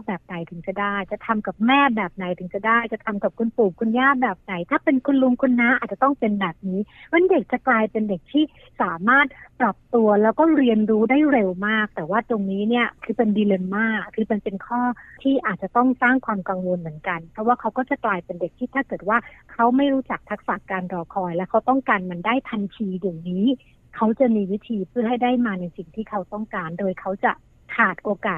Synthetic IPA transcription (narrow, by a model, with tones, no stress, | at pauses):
bɛː˨˩p̚na˨˩jt̪ʰɯ˩˦ŋt͡ɕa˨˩daː˥˩jt͡ɕa˨˩t̪ʰa˧mka˨˩p̚mɛː˥˩bɛː˨˩p̚na˨˩jt̪ʰɯ˨˩˦ŋt͡ɕa˨˩daː˥˩jt͡ɕa˨˩t̪ʰa˧mka˨˩p̚kʰu˧npuː˨˩p̚kʰu˧njaː˥˩bɛː˨˩p̚na˨˩˦jt̪ʰaː˥˩pe˧nkʰu˧nlu˧ŋkʰu˧nːa˦˥ʔaː˨˩t͡ɕa˨˩t̪ɔ˥˩ŋpe˧nbɛː˨˩p̚niː˦˥wa˦˥nde˨˩k̚t͡ɕa˨˩klaː˧jpe˧nde˨˩k̚t̪ʰiː˥˩ | saː˩˦maː˥˩t̪̚pɾa˨˩p̚t̪u˧ɐlɛː˦˥wkɔː˥˩ɾi˧ənɾuː˦˥daː˥˩jɾe˧wmaː˥˩k̚t̪ɛː˨˩waː˥˩t̪o˧ŋniː˦˥ni˥˩ɐkʰɯː˧pe˧ndiː˧le˧mːaː˥˩kʰːɯː˧pe˧npe˧nkʰɔː˥˩t̪ʰiː˥˩ʔaː˨˩t̪̚t͡ɕa˨˩t̪ɔ˥˩ŋsaː˥˩ŋkʰwaː˧mka˧ŋwo˧nmɯ˩˦ənka˧npʰɾɔ˦˥waː˥˩kʰa˦˥wkɔː˥˩t͡ɕa˨˩klaː˧jpe˧nde˨˩k̪̚ʰiː˥˩t̪ʰaː˥˩kɤː˨˩t̪̚waː˥˩kʰa˦˥wma˥˩jɾuː˦˥t͡ɕa˨˩k̚t̪ʰa˦˥k̚sa˨˩kːaː˧nɾɔː˧kʰɔː˧jlɛː˦˥wkʰa˦˥wt̪ɔ˥˩ŋkaː˧nma˧ndaː˥˩jp̪ʰa˧nt͡ɕʰiː˧jaː˨˩ŋniː˦˥ | kʰa˦˥wt͡ɕa˨˩miː˧wi˦˥t̪ʰiː˧pʰɯ˥˩ɐɦa˥˩jdaː˥˩jmaː˧na˧jsi˨˩ŋt̪ʰiː˥˩kʰa˦˥wt̪ɔ˥˩ŋkaː˧ndoː˧jkʰa˦˥wt͡ɕa˨˩ | kʰaː˨˩t̪̚ʔoː˧kaː˨˩t̪̚